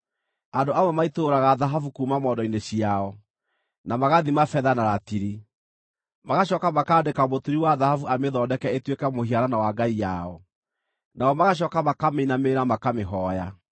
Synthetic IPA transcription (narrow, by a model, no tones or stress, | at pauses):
andoamamaitoɾaɣaðaɦafukuːmamɔːdɔineɕiaɔ | namaɣaðimafɛðanaɾatiɾi | maɣaɕ̬ɔːkamakaːdekamotuɾiwaðahavuameðɔdɛkɛetwekamohiaɾanawaɡaijaɔ | naɔmaɣaɕ̬ɔːkamakameinameːɾamakameɦɔja